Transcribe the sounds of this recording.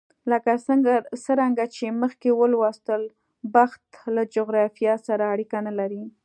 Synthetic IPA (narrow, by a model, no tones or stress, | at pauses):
ləkaɡsəɾaŋɡat͡ʃeməxkewəlwɑst̪əl | baxt̪lad͡ʒoɣɾɑfijɑsaɾaːɽikanalaɾi